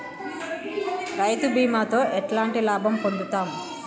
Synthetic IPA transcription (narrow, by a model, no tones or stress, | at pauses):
ɾɐjt̪ubiːmaːt̪o̞ːʔɛʈlaːɳʈilaːbʱɐmpoɳɖ̪ut̪aːm